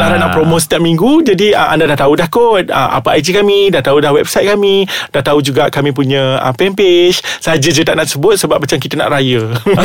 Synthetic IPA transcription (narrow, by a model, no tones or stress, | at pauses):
nadanãʔpɾomosə̥t̪iak̚miŋɡud͡ʒadiəʔa̰ndadaht̪audahkot̪̚ə̰mʔa̰paʔajd͡ʒikamĩdaht̪audahwɛb̚sajt̪̚kamĩd̥aht̪aud͡ʒuɡaʔkamĩp̬uɲə̃ə̰pɛmpeʃsəɦad͡ʒəd͡ʒət̪aʔnaʔsəbʊt̪̚səbap̚ːat͡ʃamkit̪əna̰ʔɾajə